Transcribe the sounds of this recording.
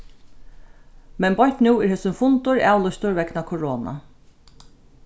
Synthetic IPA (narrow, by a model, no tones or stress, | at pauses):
mɛnbɔht̪nuːɪɾheːsʏnfʊnt̪ʊɹæːwlɔst̪ʊɹvɛknakʰʊɹɔːna̰